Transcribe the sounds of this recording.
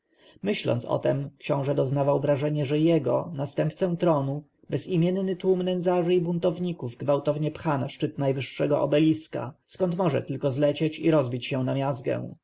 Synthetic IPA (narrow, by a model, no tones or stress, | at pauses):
mɘɕlɔ̰nt̪sɔ̰t̪ɛmkɕɔ̃w̃ʐɛd̪ɔznavawvɾaʐɛɲɛʐɛjɛɡɔnast̪ɛmp̚t̪sɛ̃t̪ɾɔnu | bɛzimʲjɛnnɘt̪wumnɛnd̪zaʐɘibunt̪ɔvɲikuvɡvawt̪ɔvɲɛpxanaʂt͡ʂɘt̪najvɘʂːɛɡɔʔɔ̰bɛlʲiska̰skɔnt̪mɔʐɛ̰t̪ɘlkɔzlɛt͡ɕet͡ɕḭɾɔzbʲit͡ɕɕɛ̃namʲjazɡɛ̰̃w̃